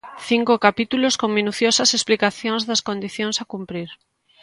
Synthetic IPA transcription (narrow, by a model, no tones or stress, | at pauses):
θiŋkokapit̪uloskoŋmĩnuθjosɐsesplikaθjõŋzðɐskond̪iθjõŋsakumpɾiɾ